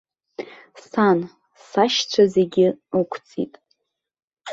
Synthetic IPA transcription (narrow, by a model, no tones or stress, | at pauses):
san | saʃt͡ɕʷʰaze̞ɡʲɪɨkʷʰt͡sʼḭtʼ